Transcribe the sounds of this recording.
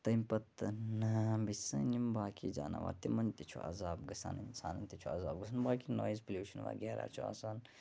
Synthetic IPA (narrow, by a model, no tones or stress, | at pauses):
t̪ɐmʲpɐt̪nɐbisɐnimbaːkid͡ʒa̰ːna̰ʋa̰ːɾt̪imɐnt̪it͡ʃʰuʔɐ̰zaːbɡɐsa̰ːnɨnsʰaːnɐnʲt̪it͡ʃʰuɐzaːbɡɨsɐnbaːkinoːjizpəlʲjuːʃɐnʋa̰ːɡʲeːɾa̰ːt͡ʃʰua̰saːn